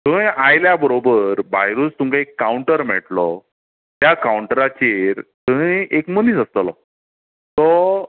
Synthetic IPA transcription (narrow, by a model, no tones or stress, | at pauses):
t̪ə̃ajljabəɾobəɾbajɾuːst̪umkaekːauɳʈəɾm̤ḛʈlɔ | t̪jakauɳʈəɾat͡ɕeɾt̪əɦĩekməniːsəst̪əlɔ̰ | t̪ɔ